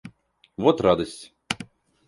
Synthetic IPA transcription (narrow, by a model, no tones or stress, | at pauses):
vɔt̪ɾad̪əsʲtʲ